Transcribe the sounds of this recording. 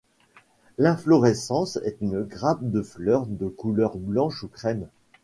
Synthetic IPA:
lɛ̃flɔʁɛsɑ̃sɛ̰t̪ynɡʁap̚d̪əflœʁd̪əkulœʁblɑ̃ʃukχɛm

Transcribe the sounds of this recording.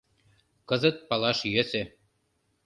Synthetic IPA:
kɤ̆zɤ̆t̪̚pɑlɑʃjøsɘ̆

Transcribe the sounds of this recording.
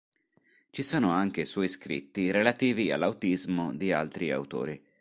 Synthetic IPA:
t͡ʃisoːnoaŋk̟eswɔːjskɾḭt̪ːiɾelat̪iːvia̰lːawt̪izmod̪ia̰lt̪ɾia̰wt̪o̰ːɾi

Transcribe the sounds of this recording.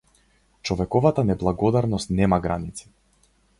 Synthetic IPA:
t͡ʃɔvɛkɔvat̪anɛblˠaɡɔd̪aɾnɔst̪nɛmaɡɾanit̪si̥

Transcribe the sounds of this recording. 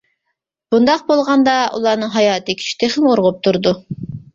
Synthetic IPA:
b̥und̪ɑq̚bolˠʁɑnd̪ɑṵlˠɑɾnɨŋɦɑjɑːt̪ɨkʲʰy̥t͡ʃʰk̚ʲt̪ʰeχɪmoɾʁʊp̚t̪ʰuɾd̪u

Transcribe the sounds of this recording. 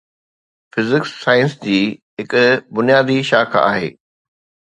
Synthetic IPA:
fɪzɪkssaːɪə̃nsd͡ʑiːɦɪkʊbʊnijaːd̪iʃaːkʰa̰ːɦḛː

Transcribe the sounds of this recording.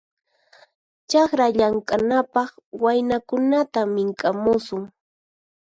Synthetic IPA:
t͡ʃɑkɾaʎaŋkʼanapɑχwajnakʊnat̪amɪŋkʼamʊsʊŋ

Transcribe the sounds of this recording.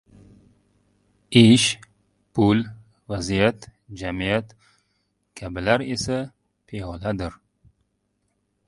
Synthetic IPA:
ɪʃ | pʰʊl | vazijat̪d͡ʒamijat̪ | kʲʰabɪlaɾe̞sa | pʰeɒlad̪ɪɾ

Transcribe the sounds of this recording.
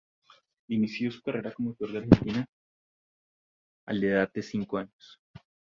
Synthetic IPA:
inisjo̞su̥kare̞ɾako̞mow̚t̪o̞ɾd̪eaɾhe̞nt̪ina | a̰leðat̪̚d̪esiŋkoaɲos

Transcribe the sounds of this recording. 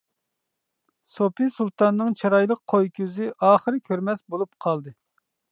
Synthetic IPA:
sopisulˠt̪ɑnːɨŋt͡ʃʰiɾɑjlˠəqʰojkʲʰyzɪʔɑːχəɾɨkʲʰøɾmɛsbolˠup̚qʰɑlˠd̪ɨ

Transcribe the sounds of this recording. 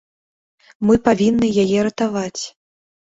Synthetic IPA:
mɨpavʲinːɨjajɛɾɐt̪avat͡sʲ

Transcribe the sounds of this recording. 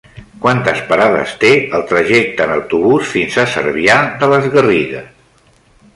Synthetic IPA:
kwant̪əspəɾaðə̰st̪eəlˠt̪ɾəʒɛk̚t̪əːnəwt̪uβusfinzəsə̰ɾβiaðələzɣəriɣəs

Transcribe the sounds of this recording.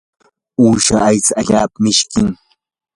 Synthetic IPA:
uːʃa̰ːjt͡saaʎaːpamɪʃkɪŋ

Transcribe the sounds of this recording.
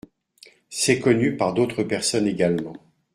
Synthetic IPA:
sɛkɔnypaʁd̪ot̪χəpɛʁsɔneɡalmɑ̃

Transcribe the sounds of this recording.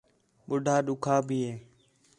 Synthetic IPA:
ɓʊɖʱaːɗʊkʰaːbʱiːɦeː

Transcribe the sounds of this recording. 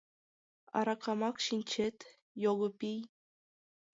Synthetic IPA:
ɑ̰ɾɑkʰɑmɑkɕinʲt͡ɕet̪ʲ | joɣɤ̆pʲij

